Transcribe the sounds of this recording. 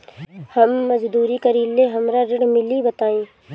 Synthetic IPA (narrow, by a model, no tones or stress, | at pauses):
hɐmːɐzd̪uːɾikəɾiːleɦɐmɾaɾɪɽmɪlibɐt̪aːĩː